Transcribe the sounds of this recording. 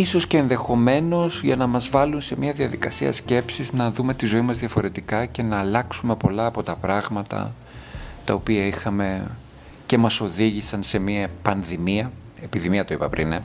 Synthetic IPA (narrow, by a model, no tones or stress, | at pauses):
iso̞sce̞ːnðe̞xo̞me̞no̞zʝɐnɐmɐzvɐlunse̞miɐðiɐðikɐsiɐ̰sce̞psiznɐðume̞t̪izo̞imɐzðiɐfo̞ɾe̞t̪ikɐce̞nɐːlɐksume̞po̞lɐːpo̞t̪ɐpɾɐɣmɐt̪ɐ̰ | t̪ɐo̞piɐixɐme̞ | ce̞mɐso̞ðiʝisɐnse̞miɐpɐnðimiɐ | epiðimiɐt̪oipɐpɾḭne